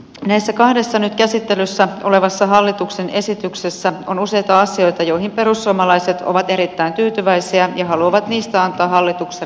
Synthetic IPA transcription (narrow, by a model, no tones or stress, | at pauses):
næijsːækɑhde̞sːɑnyt̪kæsit̪ːe̞lysːæo̞le̞ʋɑsːɑɦɑlːit̪ukse̞nʔe̞sit̪yksesːæo̞nuse̞jt̪ɑɑsio̞jt̪ɑjo̞jɦimpe̞ɾusːuomɑlɑjse̞t̪ʰo̰ʋɑt̪e̞ɾit̪ːæint̪yːt̪yʋæjsiæjɑɦɑluɑʋɑt̪niːst̪æɑnt̪ˑɑːɦɑlːit̪ukse